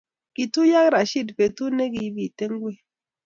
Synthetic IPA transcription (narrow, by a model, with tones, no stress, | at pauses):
ki˨tu˦ja˦k̚ɾa˨ʃi˦˨tpe˨tu˦ne˦ɡi˨˦bi˨te˦ŋɡwe˦˨